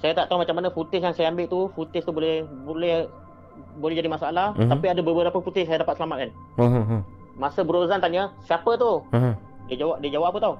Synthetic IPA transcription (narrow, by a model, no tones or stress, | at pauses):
sajat̪aʔt̪aumat͡ʃamːanəfut̪ɪsjaŋsajaambɪʔt̪ufut̪ɪst̪ubolɛhbolɛh | bolɛɦd͡ʒadimasaalaht̪apiadabəbəɾapəput̪ɪsajadapat̪̚səlamat̪̚kan | ɦ | masəbəɾozant̪aʔɲəsiapət̪u | diad͡ʒawap̚diəd͡ʒawaapət̪au